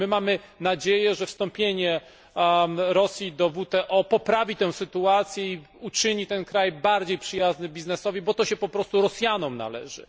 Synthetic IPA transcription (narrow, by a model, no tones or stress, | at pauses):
mɘmamɘ | nad͡ʑejɛʐɛfst̪ɔ̃mpʲjeɲɛ | ɾɔsʲjid̪ɔvut̪ɛʔɔpɔpɾavʲit̪ɛ̃w̃sɘt̪uat̪sʲjɛi | ut͡ʂɘɲit̪ɛnkɾajbaɾd͡ʑejpʂɘjaznɘbʲiznɛsɔvʲibɔt̪ɔɕɛpɔpɾɔst̪uɾɔsʲjanɔmna̰lɛ̰ʐɘ̰